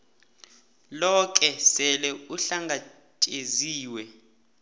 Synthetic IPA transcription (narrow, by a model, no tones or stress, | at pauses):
lɔk̬ʼɛsɛlɛuɬaŋɡa | tʼeziːwɛ